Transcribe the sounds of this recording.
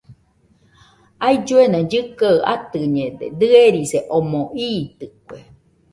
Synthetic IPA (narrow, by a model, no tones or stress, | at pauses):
aid͡ʒuenãd͡ʒɨkaɯʔat̪ɯɲẽd̪ed̪ɨeɾiseʔomõʔiːt̪ɨkʷe